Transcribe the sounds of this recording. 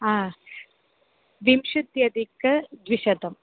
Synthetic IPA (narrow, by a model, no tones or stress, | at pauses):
ɦãː | ʋimʃut̪jɐd̪ikɐd̪ʋiʃɐt̪ɐm